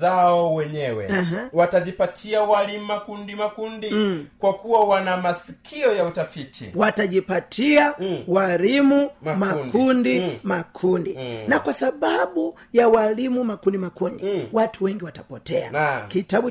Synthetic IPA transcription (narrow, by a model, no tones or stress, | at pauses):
aɔwɛɲɛwɛ̰aɦwataʄipatʰiawalimumakundimakundikwakuwawanamasi̥kʰiɔjautafitʰḭwataʄipatʰiawalimummakundimakʰundinakwasaɓaɓu | jawalimumakundimakundiwatʰuwɛŋɡiwatapɔtɛa̰kitaɓu